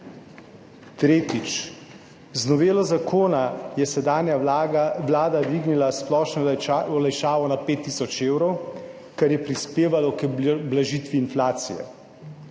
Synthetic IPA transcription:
t̪ɾeːt̪it͡ʃ | znɔʋeːlɔzakʰoːnajɛsɛd̪aːnjaʋlaːd̪ad̪ʋiːɡnilasplɔːʃnɔɔlajʃaːʋɔnapeːt̪ːisɔt͡ʃeːwɾɔw | kɛɾjɛpɾispeːʋalɔkblaʒiːt̪ʋiːnflaːt̪sijɛ̰

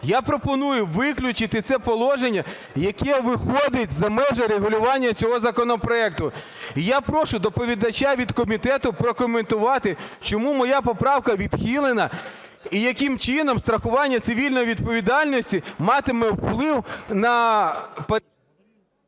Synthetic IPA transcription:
japɾɔpɔnujʊʋɪklʲʊt͡ʃɪt̪ɪt̪sɛpɔlˠɔʒenʲːɐ | jɐkɛʋɪxɔd̪ɪt̚ʲzɐmɛʒɛɾeɦʊlʲʊʋɑnʲːɐt͡sʲɔɦɔzɐkɔnɔpɾɔɛk̚t̪ʊ | ijapɾɔʃʊd̪ɔpɔʋʲid̪ɐt͡ʃʲːaʋʲid̪kɔmʲit̪ɛt̪ʊpɾɔkɔment̪ʊʋɑt̪ɪt͡ʃɔmumɔjapɔpɾɑwkɐʋʲid̪̥xʲilˠenɐ | ijɐkɪmt͡ʃɪnɔmst̪ɾɐxʊʋɑnʲːɐt̪sɪʋʲilʲnɔjiʋʲid̪pɔʋʲid̪ɑlʲnɔsʲtʲimɑt̪ɪmɛwplˠɪwnɐ | p

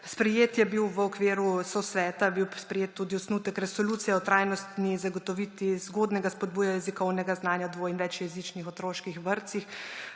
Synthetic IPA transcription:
spɾɛjeːt̪jɛbiwʋəɔkʋeːɾusɔsʋɛːt̪aɛbiwspɾɛjeːt̪ːuːd̪iɔsnut̪əkɾɛsoluːt̪sijɛɔt̪ɾaːjnɔst̪nizaɡɔt̪ɔʋit̪izɡoːd̪nɛɡaspɔd̪̚buːjajɛzikɔwnɛɡaznaːnjad̪ʋoːinʋɛt͡ʃjɛzit͡ʃnixɔt̪ɾoːʃkixʋəɾt̪six

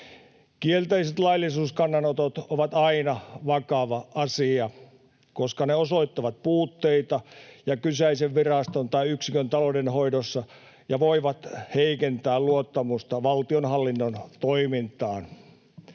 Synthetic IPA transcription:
kielt̪eiset̪lɑilːˑisuːskɑnːɑnot̪ot̪oʋɑt̪ɑinɑʋɑkɑʋɑʔɑsiɑ | koskɑneosoit̪ːɑʋɑt̪̚puːt̪ːeit̪ɑjɑkysæiseʋʋirɑst̪ont̪ɑiyksikønt̪ɑlodenhoidosːɑ | jɑʋoiʋɑt̪heikent̪æːlluot̪ːɑmust̪ɑʋɑlt̪ionhɑlːinːont̪oimint̪ɑːn

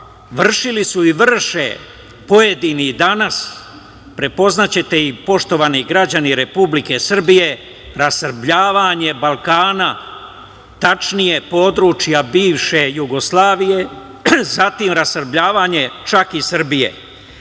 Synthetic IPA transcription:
ʋr̩ʃilisuiʋrʃḛ | po̞je̞d̪inid̪anas | pɾe̞po̞znat͡ɕe̞t̪e̞ipo̞ʃt̪o̞ʋaniɡɾad͡ʑaniɾe̞publike̞sr̩bije̞ | ɾasr̩bʎaːʋaɲe̞balˠkaːna | t̪at͡ʃnije̞po̞ːd̪ɾut͡ʃjabiːʋʃe̞juɡo̞slˠaːʋije̞ | zat̪imɾasər̩bʎaːʋaɲe̞t͡ʃakisr̩bije̞̰

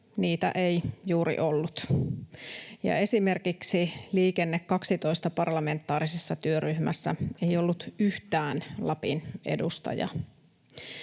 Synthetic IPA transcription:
niːt̪æ̰ʔejjuːɾḭʔo̞lːut̪ | jɑ̰e̞sime̞rkiksiliːkenːekːɑksit̪o̞ist̪ɑpɑrlɑme̞nt̪ːˑɑːɾisesːɑt̪yøryhmæ̰sːæ̰e̞jo̞lːut̪yht̪æːnlɑpine̞̰dust̪ɑ̰jɑ̰

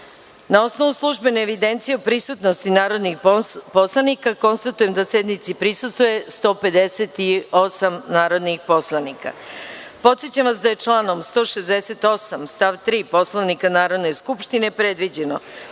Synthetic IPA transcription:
nao̞sno̞ʋuslˠuʒbe̞neːʋid̪e̞nt̪sijeupɾisut̪no̞st̪inaːɾo̞d̪nixpo̞slˠanikako̞nst̪at̪uje̞md̪ase̞d̪nit̪sipɾisust̪ʋoje̞st̪o̞ːpe̞d̪eset̪io̞samnaːɾo̞d̪nixpo̞slˠanika̰po̞t̪sjet͡ɕamʋasd̪aje̞t͡ʃlˠaːno̞mst̪o̞ːʃezd̪ese̞t̪o̞samst̪aʋt̪ɾiːpo̞slˠoʋnikanaːɾo̞d̪ne̞skupʃt̪ine̞pɾe̞d̪ʋid͡ʑe̞no̰

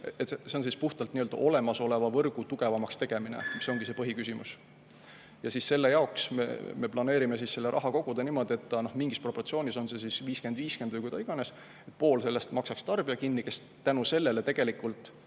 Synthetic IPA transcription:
et̪ese̞o̞nsispuht̪ɑlt̪niøld̪ɑ̰ʔo̞le̞mɑso̞le̞vɑvɤrɡ̥ut̪uɡ̥e̞vɑmɑkst̪e̞ɡ̥e̞minḛmiso̞ŋɡ̥ise̞pɤɦikysʲimṵs | jɑsisse̞lːe̞jɑoksmḛme̞plɑne̞ːɾime̞sisse̞lːe̞ɾʔɑ̰ɦɑko̞ɡ̥ud̪̥eniːmo̞d̪ie̞t̪ːˑɑno̞hmiŋɡ̥ispro̞pːo̞rt̪sio̞ːnʲiso̞nse̞sisviːske̞nd̪viːske̞nd̪ujɡ̥ujd̪ɑiɡ̥ɑne̞s | et̪̚ˑpo̞ːlse̞lːe̞st̪mɑksɑkst̪ɑrb̥iɑkinːike̞s | t̪ænuse̞lːe̞le̞t̪e̞ɡ̥e̞likːˑult̪ˑ

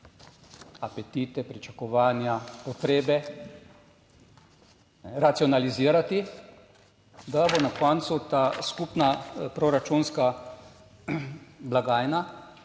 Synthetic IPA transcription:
apɛt̪iːt̪ɛpɾit͡ʃakɔʋaːnjapɔt̪ɾeːbɛ | nɛɾat̪siɔnaliziːɾat̪i | d̪abonakɔnt̪sut̪askupnapɾoɾat͡ʃunska | blaɡaːjna

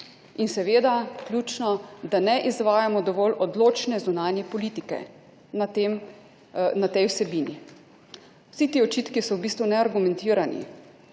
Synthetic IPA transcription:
insɛʋeːd̪aklʲjuːt͡ʃnɔd̪anɛʔizʋaːjamɔd̪ɔʋɔlʔɔd̪loːt͡ʃnɛzunaːnjɛpɔliːt̪ikɛ̰ | nat̪em | nat̪ɛjwsɛbiːni | w̥sit̪iːɔt͡ʃiːt̪kisɔwbiːst̪ʋunɛaɾɡumɛnt̪iːɾanḭ

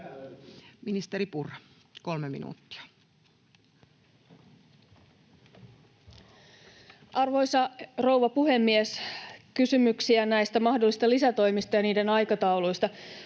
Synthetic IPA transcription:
minist̪eɾipurɑkolmemḭnṵːt̪ːi̥ɑ̥ | ʔɑrʋo̞jsɑro̞wʋɑpuɦe̞mːieskysymyksiænæjst̪æmɑhdolːis̆t̪ɑlisæt̪o̞jmist̪ɑjɑniːdenɑjkɑt̪ɑulujst̪ɑ

